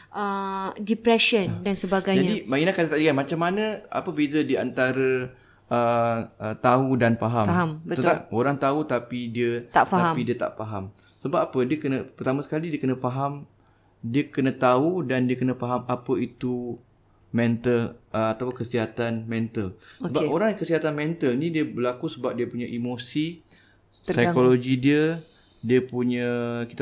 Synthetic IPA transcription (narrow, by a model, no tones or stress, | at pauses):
ʔədipɾɛʃəndansəbaɡajd͡ʒaɲadimainakat̪ət̪aʔliɡanmat͡ʃamːanə̃a̰pəbilədiəant̪aɾə | əət̪audanfaɦamfaɦambət̪ət̪t̪aoɾaŋt̪aut̪apidiət̪a̰ʔfaaɦaidiət̪a̰ʔfaɦam | səbapapədiəkənəpərt̪amãsə̥kalidiəkənə̃faɦam | diəkənət̪audandiəkənəfaɦamapəit̪u | mɛ̃nt̪ələat̪akəsiɦat̪anmɛ̃nt̪əlsəbaoɾaŋkəsiɦat̪anmɛnt̪əlnidiəbəlakusəbap̚diəpuɲaʔimosi | təsajkoloɡidiə | diəpuɲə̃kit̪a